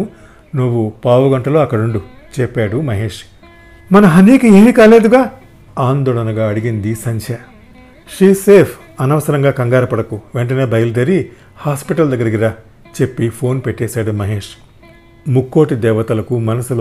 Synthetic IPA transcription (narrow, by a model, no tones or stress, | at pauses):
nuʋːupaːʋɐɡɐɳʈɐloːɐkːɐɽuɳɖu | t͡ʃɛpːaːɽumɐɦe̞ːʂ | mɐnɐɦɐniːkieːmikaːle̞ːd̪uɡaː | aːnd̪ɔːɭɐnɐɡaːɐɽiɡind̪isɐɲt͡ʃʰa | ʂɾiːse̞ːpʰ | ɐnɐʋɐsɐɾɐŋɡaːkɐŋɡaːɾɐpɐɽɐkuʋeɳʈɐne̞ːbʱɐjɐlud̪ɐɾi | haːspiʈɐld̪ɐɡːɐɾɐɡiɾa | t͡ʃe̞pːipʰo̞ːnpeʈːɛːsaːɽumɐɦeːʂ | mukːo̞ːʈid̪ɛːʋɐt̪ɐlɐkumɐnɐsul